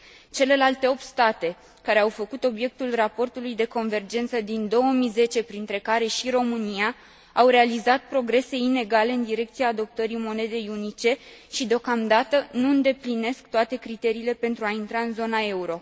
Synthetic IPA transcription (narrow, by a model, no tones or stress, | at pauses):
t͡ʃe̞le̞lalt̪e̞o̞p̚t̪st̪at̪e̞ | kaɾe̞awfəkut̪o̞bje̞k̚t̪ulrapo̞rt̪ulujd̪e̞ko̞nve̞rd͡ʒe̞nt̪səd̪ind̪o̞wəmijze̞t͡ʃe̞pɾint̪ɾe̞kaɾe̞ʃiro̞mɨnija | awɾe̞alizat̪̚pɾo̞ɡɾe̞se̞ine̞ɡale̞ɨnd̪iɾe̞k̚t̪siaːd̪o̞p̚t̪əɾijmo̞ne̞d̪e̞junit͡ʃe̞ʃid̪eo̞kamd̪at̪ənuɨnd̪e̞pline̞skt̪oat̪e̞kɾit̪e̞ɾiːle̞pe̞nt̪ɾuaint̪ɾaɨnzo̞nae̞uɾo̞